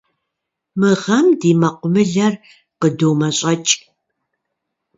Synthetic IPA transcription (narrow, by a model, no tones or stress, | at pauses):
mɨʁɐmdiːmɐqʷʼʊmɨɮɐr | qədowmɐɕʼɐt͡ʃʼ